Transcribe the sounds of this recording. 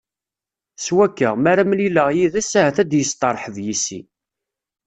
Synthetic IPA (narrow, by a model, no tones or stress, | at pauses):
swækːəʁmæɾæmliləʁjiðæshæθæd̪jəst̪ˤɑɾˤħəðjisḭ